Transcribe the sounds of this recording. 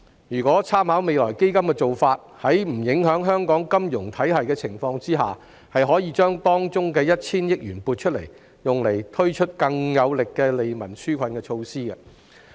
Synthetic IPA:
jyː˨˩kʷwɔː˨˥t͡sʰaː˥mhaː˨˥wme˨jlɔː˨˩jke˥jkɐ˥mkɛ˧t͡so˨wfaː˧t̚hɐ˨˥jm̩˨˩jɪ˨˥ŋɦœː˨˥ŋɦœː˥ŋkɔː˨˥ŋkɐ˥mjʊ˨˩ŋt̪ʰɐ˨˥jɦɐ˨jkɛ˧t͡sʰɪ˨˩ŋfɔː˧ŋt͡siː˥ɦa̰ː˨ | hɐ˨jɦɔː˨˥jiː˨˧t͡ʃœː˥ŋt̪ɔː˥ŋt͡ʃʊ˥ŋkɛː˧jɐ˥t̚t͡sʰiː˥njɪ˥k̚jyː˨˩npuː˧t̚t͡ʃʰɵ˥t̚lḛ˨˩j | jʊ˨ŋle˨˩jt̪ʰɵ˥ɥt͡ʃʰɵ˥t̚kɐ˧ŋjɐ˨˧wlɪ˨kːɛː˧le˨˧jmɐ˨˩nsyː˥kʷʰɐ˨˧nkɛː˧t͡ʃʰo˧wsiː˥ɡɐ˧

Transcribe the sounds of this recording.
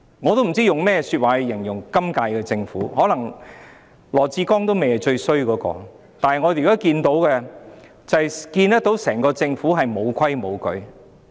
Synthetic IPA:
ŋɔː˨˧t̪o˥wm̩˨˩t͡siː˥jʊ˨ŋmɛː˥˧syː˧t̚waː˨˩hɐ˨˧jɪ˨˩ŋjʊ˨˩ŋkɐ˥mkaː˧jkɛ˧t͡sɪ˧ŋfuː˨˥hɔː˨˥lɐ˨˩ŋ | lɔː˨˩t͡siː˧kɔː˥ŋt̪o˥wme˨jɦɐ˨jt͡ʃɵ˧ɥsɵ˥ɥkɔː˨˥kɔ̰ː˧ | t̪aː˨nhɐ˨jŋɔː˨˧˨kaː˦˥kiː˧nt̪o˨˥wkɛ˧ | t͡sɐ˨hɐ˨jkiː˧nt̪ɐ˥t̪o˨˥wsɛː˨˩ŋkɔː˧t͡sɪ˧ŋfuː˨˥ɦɐ˨jmo˨˧wkʷʰɐ˥jmo˨˧wkɵ̰˨˧ɥ

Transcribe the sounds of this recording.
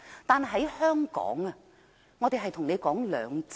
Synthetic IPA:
t̪aː˨nɦɐ˨˥jhœː˥ŋkɔ̰ː˨˥ŋɐ˧ | ŋɔ˨˧t̪e˨jɦɐ˨jt̪ʰʊ˨˩ŋne˨˧jkɔː˨˥ŋlœː˨˧ŋt͡s

